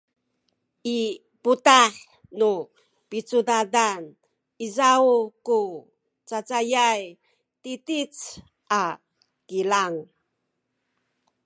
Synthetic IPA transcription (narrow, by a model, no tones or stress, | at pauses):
ʔi | putaħ | nu | pit͡sudadan | izauku | t͡sat͡sajaj | titit͡s | ʔa | kilaŋ